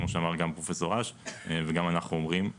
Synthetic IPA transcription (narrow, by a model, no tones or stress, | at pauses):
moʃeamaʁɡampʁofeso̞ʁaʃveɡamanaχnuomʁim